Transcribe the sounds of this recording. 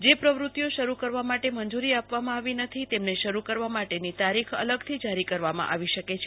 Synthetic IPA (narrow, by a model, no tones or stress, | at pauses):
d͡ʒepɾəʋɾut̪joʃəɾukəɾʋamaʈemənd͡ʒuɾiapʋamãaʋinət̪ʰit̪emneʃəɾukəɾʋamaʈenit̪aɾikʰə̰ləɡt̪ʰid͡ʒaɾikəɾʋamã̰ʔa̰ʋiʃəket͡ʃʰe